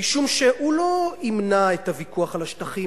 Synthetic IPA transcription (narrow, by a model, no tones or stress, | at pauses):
iʃumʃe̞hulo̞imnaetavikuaχalaʃtaχi